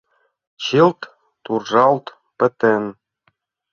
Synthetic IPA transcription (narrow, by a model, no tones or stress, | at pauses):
t͡ɕilt̪ː | urʒɑlt̪ | pɘ̆t̪en